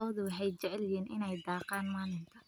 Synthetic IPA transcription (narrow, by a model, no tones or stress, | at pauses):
ɔːðʊwɑħɛjt͡ʃɛʕlɪjiːnʔɪ̰nɛjd̪ɑːqaːnmaːlɪnt̪ʰɐ